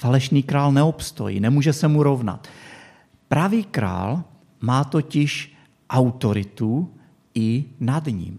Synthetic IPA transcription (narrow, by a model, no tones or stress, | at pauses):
falɛʃniːkɾaːlnɛopst̪o̞̰jḭnɛmuːʒɛsɛmuɾo̞vna̰t̪ | pɾaviːkɾa̰ːl | maːt̪o̞cɪʃ | ʔawt̪oɾɪt̪u | ɪnadɲḭːm